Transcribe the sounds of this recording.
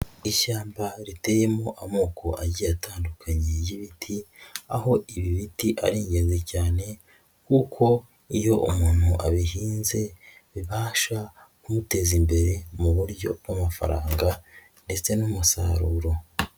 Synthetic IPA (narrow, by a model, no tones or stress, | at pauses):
iʃaːmbaɾite̞je̞mo̞ʔamuːkʰoʔaɟijataːndukʰaɲejiβitʰiaho̞iβiβitiʔa̰ɾiːɲɟe̞nzecaːne̞ | kuːkʰo̞ | ijo̞ʔṵmuːn̥huʔaβiɦiːnze̞ | βiβaːʃa | kumute̞zimbe̞ɾe̞muβuɾɟo̞̰b̚ɡamafa̰ɾaːŋɡa | nde̞t͡se̞numusa̰ɾuːɾo̞